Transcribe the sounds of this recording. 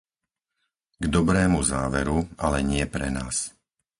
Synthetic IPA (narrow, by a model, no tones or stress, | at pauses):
ɡd̪ɔbɾɛːmuzaːʋɛɾualɛɲɪɛpɾɛnaːs